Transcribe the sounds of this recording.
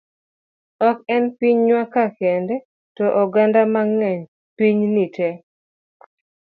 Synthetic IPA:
ɔkɛnpiɲɲwakakɛndɛ | tɔʔɔɡandamaŋːɛɲ | piɲnitɛ

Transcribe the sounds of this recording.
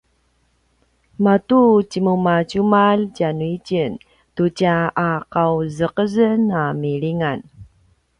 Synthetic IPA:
matut͡ɕimumacumalcanuicən | tucaːqawzəqəzənamiɭiŋan

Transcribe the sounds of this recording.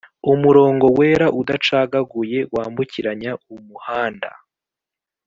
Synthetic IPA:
umuɾo̞ːŋɡo̞weːɾaʔudat͡ʃaːɡaɡuje̞waːmbuciɾaɲaumuhaːnda̰

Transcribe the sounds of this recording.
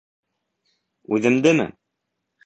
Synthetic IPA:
ʉðɘ̆md̪ɘmɘ̰

